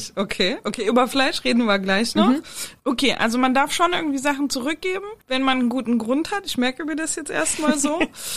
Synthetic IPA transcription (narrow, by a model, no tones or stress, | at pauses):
ʔokʰeːʔokʰeːʔyːbɐflaɪʃʁeːdn̩viːɐɡlaɪçnɔχʔokʰeːʔa̰lzomandaɐfʃoːnʔɪɐɡŋ̩tv̥iːzaχn̩t͡suʁʏk̚ɡ̥eːbm̩vɛnmanənɡuːtn̩ɡʁʊnthatɪçmɛɐkəmiːɐdasjɛt͡stʔḛːɐstmaːlzoː